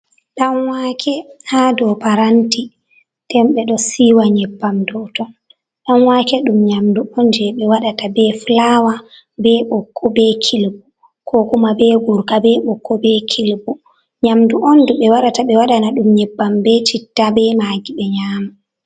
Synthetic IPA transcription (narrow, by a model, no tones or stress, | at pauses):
ɗanwaːkʰɛhaːdɔpaɾanti | tɛmɓɛɗɔsiːwaɲɛbːamdɔtɔn | ɗanwaːkɛɗumɲamduʔɔnd͡ʒɛɓɛwaɗatabɛflawa | bɛɓɔkʰːɔbɛkʰilbu | kʰɔkumabɛɡuɾkabɛɓɔkːɔbɛkʰilbu | ɲamduʔɔnduɓɛwaɗataɓɛwaɗanaɗumɲɛbːambɛtitːabɛmaːɡiɓɛɲaːma